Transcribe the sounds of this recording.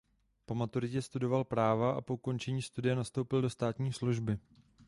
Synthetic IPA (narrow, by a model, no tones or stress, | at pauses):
po̞mat̪uɾɪcɛst̪udo̞valpɾaːvaʔa̰po̞uko̞nt͡ʃɛɲiːst̪udɪjɛnast̪owpɪldo̞st̪aːt̪ɲiːsluʒbɪ